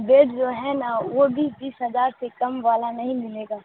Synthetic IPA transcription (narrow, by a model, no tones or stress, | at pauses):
beːɖd͡ʒoːɦɛnaʋobʱibiːsɦɐzaːɾsekɐmʋaːlanɐɦĩmɪleːɡaː